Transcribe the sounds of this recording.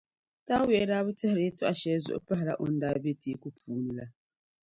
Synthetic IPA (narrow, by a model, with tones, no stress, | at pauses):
ta˦we˨˦ɾa˦βu˦tɛ˦hɾe˦tu˦a˨ʃeː˨˦zḭ˦o̰˦pa˦ɦa˨la̰˨ʔo˦n̩˦daː˨be˦tʰi˨˦ku˦pʰuː˨˦nu˨la˨